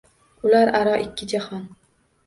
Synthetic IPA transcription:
ʊlaɾaɾɒʔɪkʲːɪd͡ʒahɒn

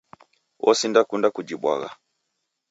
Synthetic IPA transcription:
wʔɔsindakundakud͡ʒibwa̰ɣa̰

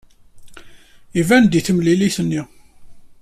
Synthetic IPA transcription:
ivænd̪iθəmliliθənːi

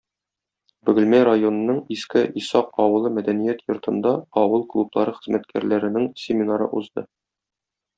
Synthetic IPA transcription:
bɵ̆ɡɘ̆lmæɾajonɤ̆nɤɴiskɘʔisɑqɒwɤ̆lˠɤmæd̪ænijæt̪jŏɾt̪ʰɤ̆nd̪ɑɒwɤlˠklˠublˠɑɾɤχɘ̆zmʔæt̪kʰæ̰ɾlæɾɘ̆nɘŋsʲɪmʲinaɾɤ̰ʔuzd̪ɤ̰

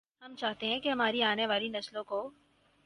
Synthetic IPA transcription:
ɦɐmt͡ʃaːɦt̪eɦɛ̃keɦɐm̤aːɾiaːneʋaːlinɐslõko

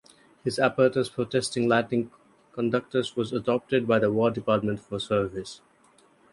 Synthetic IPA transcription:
hɪzæpəɾʈəspʰɾoːʈɛstɪ̃ŋlæʈɪ̃ŋ | kə̃nɖʌk̚ʈəzʋɔzəɖɔp̚ʈɪɖ̚baɪd̪əwɔːɖɪpaːɾʈmə̃nʈfɔɾsəɾʋɪs

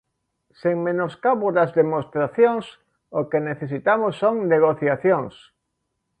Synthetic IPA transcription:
seŋmẽnoskaβoðɐzðemost̪ɾaθjoŋs | okeneθesit̪amosːoŋneɣoθjaθjoŋs

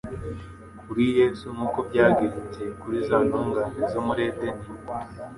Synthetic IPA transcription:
kuɾije̞zuŋukobɟaːɡiɾut͡se̞kuɾizaːntuːŋɡaːnezomuɾe̞deni

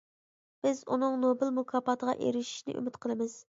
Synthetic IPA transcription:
b̥ɪzunɨŋnobɨlmukʰɑːpɑt̪ʰəʁɑ̰ʔḛɾɪʃi̥ʃnɪ̰ʔy̰mɪt̪qʰəlˠɨmɨz̥

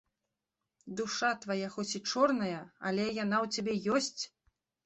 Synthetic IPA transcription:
d̪uʂat̪vajaxɔsʲit͡ʂɔrnɐjɐa̰lʲɛjan̪awt͡sʲabʲɛjɔsʲt͡sʲ

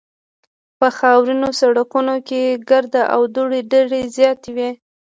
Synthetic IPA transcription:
pəxɑwɾinosaɽakunokeɡaɾd̪aʔawd̪uɽeɖeɽezjɑt̪ewi

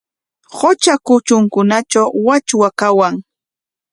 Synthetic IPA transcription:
hot͡ʃakʊt͡ʃʊŋkʊnat͡ʃawːat͡ʃwakawaŋ

